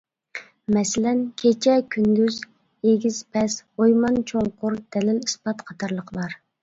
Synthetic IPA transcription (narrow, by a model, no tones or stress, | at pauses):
mɛsɪlɛnkʲʰet͡ʃʰɛkʲʰynd̪yz | eɡʲiz̥pʰɛsojmɑnt͡ʃʰoŋqʊɾd̪̥ɛlɪlispɑt̪qʰɑt̪ʰɑɾlˠəqəbɑɾ